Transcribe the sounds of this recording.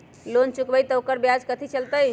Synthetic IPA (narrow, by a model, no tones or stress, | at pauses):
lont͡ʃukbəjt̪ɔokəɾbjad͡ʒkət̪ʰit͡ʃəlt̪əj